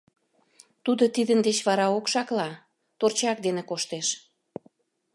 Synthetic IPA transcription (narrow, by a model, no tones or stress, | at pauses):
t̪ud̪ot̪id̪ənd̪et͡ɕβɑɾɑokʃɑklɑ | t̪ort͡ɕɑk̚d̪enekoʃt̪eʃ